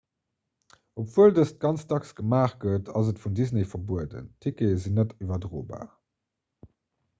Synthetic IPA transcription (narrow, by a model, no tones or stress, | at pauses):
opv̥uəldəst̚ɡ̥ɑnt͡sdɑksɡ̥əmaːχɡ̥ətʰɑzətfundiznefɐbuədə̰ntʰikezinətyvɐdʁoːba̰ː